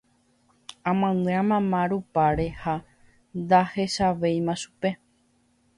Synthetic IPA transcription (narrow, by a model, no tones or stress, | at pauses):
ãmãnɨ̃ãmãmãɾupaɾe̞ha | nd̪ahe̞ʃaʋe̞jmãʃu̥pe̞